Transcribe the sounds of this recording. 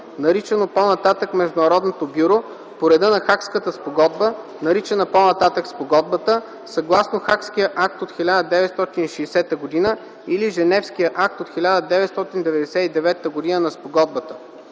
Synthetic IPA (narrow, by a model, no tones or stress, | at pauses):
nɐɾit͡ʃɛnoponɐt̪at̪əkmɛʒd̪ʊnɐɾɔd̪not̪obʲjuɾo | poɾɛd̪ənɐxakskət̪əspoɡɔd̪bə | nɐɾit͡ʃɛnəponɐt̪at̪əkspoɡɔd̪̚bət̪ə | sɐɡlˠasnoxakskijəʔak̚t̪ot̪xilʲad̪əd̪ɛvɛt̪st̪ɔt̪iniʃɛːsɛt̪əɡod̪inə | iliʒɛnɛfsk̟ijəʔak̚t̪ot̪xilʲad̪əd̪ɛvɛt̪st̪ɔt̪ind̪ɛvɛd̪ɛsɛid̪ɛvɛt̪ːəɡod̪inənɐspoɡɔd̪̚bət̪ə̥